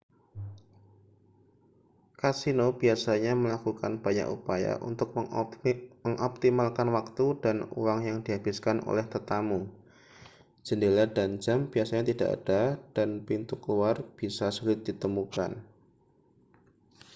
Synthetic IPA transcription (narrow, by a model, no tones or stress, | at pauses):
kasinobiasaɲaməlakuka̰nb̥aɲa̰kṵpaja̰ʔṵnt̪ʊk̚ | məŋʔɔp̚t̪imalkanwak̚t̪udanṵwaŋjaŋdiɦabɪskanʔo̰lɛht̪ət̪amu | d͡ʒ̥əndeladand͡ʒamb̥iasaɲat̪idaʔa̰d̥ad̥anpint̪ukluarb̥isasulɪt̪̚d̥it̪əmuka̰n